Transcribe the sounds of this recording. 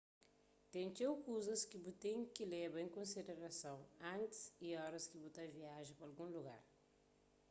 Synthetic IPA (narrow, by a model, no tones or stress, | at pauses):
t̪ẽnt͡ʃ̪ewkuzɐskibut̪ẽkilɛbɐẽŋkõnsid̪eɾɐsɐ̃w̃ɐ̃nt̪ɪ̥siɔɾɐskibut̪aviaʒipɐlɡũluɡa̰ɾ